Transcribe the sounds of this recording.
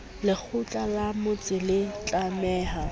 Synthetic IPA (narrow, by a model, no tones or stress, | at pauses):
lɪk͡xʰʊt͡ɬʼalamʊt͡sʼɪlɪt͡ɬʼamɛːha